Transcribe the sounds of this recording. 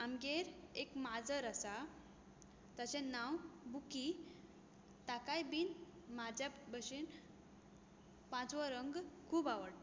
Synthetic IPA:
amɡeɾekmad͡zəɾəsa | t̪ət͡ɕẽnawbuki | t̪akajbiːn | mad͡ʑabəɕin | pãt͡sʋəɾəŋɡkʰuːbaʋəɽt̪

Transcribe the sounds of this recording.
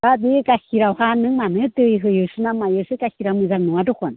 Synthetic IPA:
abikakiɾawhanɯŋmanɯtɯjɦɯjɯsɯnamajɯsɯkakiɾawmɯzaŋnuadokan

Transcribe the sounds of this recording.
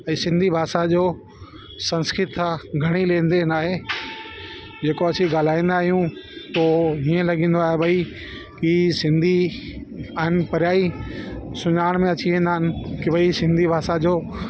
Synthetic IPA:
ɛ̃ːsɪ̃nd̪ʱibʱaːsad͡ʑoː | sɐ̃nskɾɪt̪ʰaɡʱɐɽ̃ilẽːnd̪eɦɪnaːɦe | d͡ʑeːkoɐt͡ɕiɡaːl̤aːĩːnd̪aːɦijũt̪oːɦiːə̃lɐɠĩːn̆d̪oaːɦebɐi | kisɪ̃nd̪ʱi | aːɦɪnpɐɾjaːi | sʊɲaːəɽ̃mẽɐt͡ɕiʋẽːnd̪aːɦɪnɪ̆kɪʋɐisɪ̃nd̪ʱibʱaːsad͡ʑoː

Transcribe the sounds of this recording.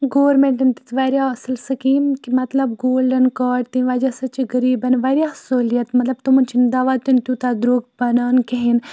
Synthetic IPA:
ɡoːʋɾmẽɳʈɐnt̪it̪ʋaːɾʲjaːɐsɨlsɐkiːmkimɐt̪lɐbɡoːlɖɐnkaːɖt̪ĩʋaːd͡ʒasɐt͡ʃiɡəɾiːbɐnʋaːɾʲijahsoːlijɐt̪mɐt̪lɐb̚t̪umɐnt͡ʃʰind̪aʋaːt̪unt̪ut̪ad̪ɾoːɡ̚bɐnaːnkeɦin

